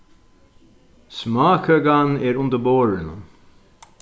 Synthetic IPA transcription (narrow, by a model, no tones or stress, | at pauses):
smɑːkʰəɡaneːɾʊnd̪əboːɹənə